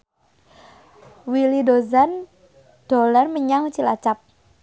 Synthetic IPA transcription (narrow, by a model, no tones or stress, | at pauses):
wilidozan | d̥olarməɲaŋt͡ʃilat͡ʃap̚